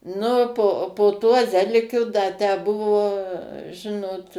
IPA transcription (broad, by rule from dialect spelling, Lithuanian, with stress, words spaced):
ˈnʊ poː poː tuɔ ˈzʲæːlʲɪkʲʊ dɐ tʲæː ˈbʊʋoː ˈʒʲɪnoːt